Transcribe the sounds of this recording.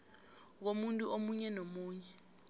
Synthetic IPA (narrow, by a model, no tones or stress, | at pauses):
k̬omuntʼuʔomuɲɛnomuːɲɛ